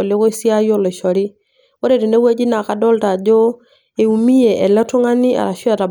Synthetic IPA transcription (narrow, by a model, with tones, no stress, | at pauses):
ɔ˨lɪ˦kʊ˦si˦a˦jɔ˦lɔ˨ʃɔ˨ɾi˦ | o˦ɾe˨ti˨ne˦we˦d͡ʒi˦na˨ka˨dɔ˦lta˨d͡ʒɔ˦ | e˨u˨mi˦je˨ʔɛ˨lɛ˦tu˦ŋa˦ni˦a̰˨ɾa˨ʃu˦a˨ta˨b